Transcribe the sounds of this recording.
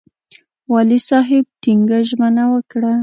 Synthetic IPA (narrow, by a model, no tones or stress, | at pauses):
wɑlisɑɦɪb̚tiŋɡaʒmənawəkɽa